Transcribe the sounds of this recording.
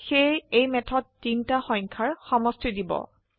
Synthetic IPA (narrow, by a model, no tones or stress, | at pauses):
xejejmɛtʰɔt̚ːintaxɔj̃ŋkʰaɹxɔmɔstidibɔ̰